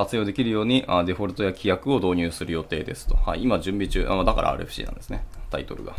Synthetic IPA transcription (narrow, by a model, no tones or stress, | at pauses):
kat͡sɨjoːd̪e̞kʲiɾɯ̟jo̞ːɲ̟iʔad̪e̞ɸo̞ɾɯ̟t̪o̞jakʲijakɯ̟o̞d̪o̞ːɲ̟ɨːsɨɾɯ̟jo̞t̪e̞ːd̪e̞sɨ̥t̪o̞haiimaʑɨ̃mbʲit͡ɕɨːʔa̰md̪aka̰ɾʔa̰a̰ːɾɯeɸɯ̟ɕḭːnã̰nd̪e̞sɨnet̪ait̪o̞ɾɯ̟ɡa̰